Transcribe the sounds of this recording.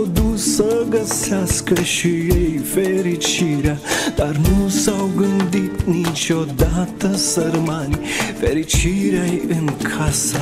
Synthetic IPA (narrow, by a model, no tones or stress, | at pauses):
d̪uːsɐɡɐsaskɐʃijɐjfeːɾit͡ʃʰiɾad̪aɾnuːsawɡənd̪it̪nit͡ʃɔːd̪aːt̪ɐsɐɾmaːnifeːɾit͡ʃʰiːɾɐiʔənkʰaːsa